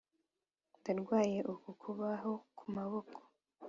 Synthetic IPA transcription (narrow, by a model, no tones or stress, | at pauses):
ndaɾɡwaːje̞ʔukukʰuβaɦo̞kumaβo̞kʰo̥